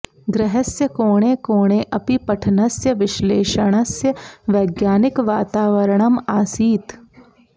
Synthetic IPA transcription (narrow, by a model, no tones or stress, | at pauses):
ɡɾɪɦɐsjəkoːɽ̃eːkoːɽ̃eʔɐpipɐʈʰnɐsjəʋɪʃleːʃəɽ̃ɐsjəʋɐːɡjaːnɪkʋaːt̪aːʋɐɾɳ̃ɐmaːsiːt̪